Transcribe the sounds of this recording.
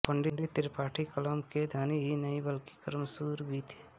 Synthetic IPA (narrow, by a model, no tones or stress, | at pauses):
pɐɳɖɪɳɖit̪ɪɾpaːʈʰikɐlɔmked̪ʱaːniɦinɐibɐlki̥kɐɾmsuːɾbʱit̪ʰi̥